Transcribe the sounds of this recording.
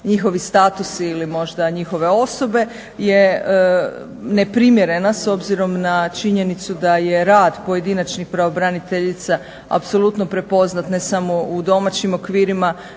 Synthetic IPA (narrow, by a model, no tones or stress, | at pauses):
ɲixo̞ʋist̪aːt̪usːlimo̞ʒd̪aɲixo̞ʋe̞o̞so̞be̞ | je̞ | ne̞pɾimje̞ɾe̞naso̞bziɾo̞mnat͡ʃiɲe̞nit̪sud̪aje̞ɾaːd̪po̞je̞d̪inat͡ʃnixpɾaʋobɾanit̪eʎit̪sa | a̰pso̞lˠut̪no̞pɾe̞po̞znat̪ne̞samo̞ud̪o̞mat͡ɕimo̞kʋiːɾima